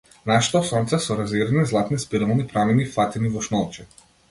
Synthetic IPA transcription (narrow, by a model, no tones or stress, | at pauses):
naʃɛ̥t̪ɔsɔnt̪sɛsɔɾaziɾanizlˠat̪nispiɾvɔnipɾamɛnifat̪inivɔʃnɔlˠt͡ʃɛ